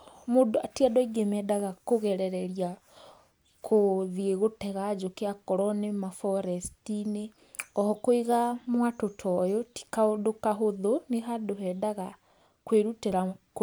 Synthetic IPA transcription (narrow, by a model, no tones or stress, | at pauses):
modoatiadɔiɡemɛdaɣakoɣɛɾɛɾɛɾia | kʰoðieɣotɛɣad͡ʒokeakɔɾɔnemafɔɾɛstine | ɔhɔkoiɣamwatotʰɔjoti̥kaodokaɦoðoneɦadoɦɛdaɣa | kweɾuteɾak